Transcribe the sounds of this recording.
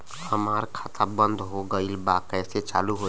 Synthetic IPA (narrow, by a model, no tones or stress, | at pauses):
həmaɾkʰat̪ʰabənd̪ʱɦoɡəilbakɛjset͡ʃaːluɦo